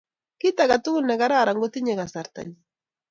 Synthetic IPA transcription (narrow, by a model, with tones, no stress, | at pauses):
ki˦t̪a˨ɡa˨t̪u˦na˨ɡa˦ɾa˦˨ɾa˨ŋɡo˦t̪i˦ɲe˨ɡa˨sa˨ɾt̪a̰ɲi